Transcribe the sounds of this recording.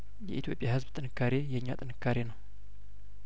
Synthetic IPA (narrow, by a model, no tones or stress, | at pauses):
jɛ̰ʔit̪ʰjo̞pʼjahɨzbt̪ʼɨnɨkʰːaɾejɛɲːa̰t̪ʼɨnɨkːaɾenəw